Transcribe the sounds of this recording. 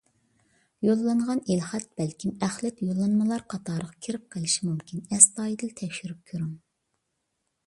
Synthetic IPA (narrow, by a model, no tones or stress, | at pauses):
jolˠːɑɴʁɑnilχæt̪̚b̥ɛlkʲʰimæχlɛt̪jolˠːɑnmɨlˠɑɾqʰɑt̪ʰɑːɾəʁɑkʲʰiɾɪp̚qʰəlˠɪʃimumkʲʰinɛst̪ɑːjid̪ɨlt̪ʰɛkʲʃyɾyp̚kʲʰøɾum